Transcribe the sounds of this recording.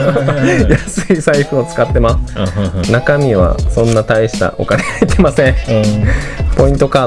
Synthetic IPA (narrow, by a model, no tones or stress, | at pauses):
jasɨisaiɸɯ̟ot͡sɨ̥kat̪ːe̞masɨ̥nakamʲiβa̰sõ̞nːat̪aiɕi̥t̪a̰ʔo̞̰kaneait̪e̞masẽ | po̞ĩnt̪o̞kaː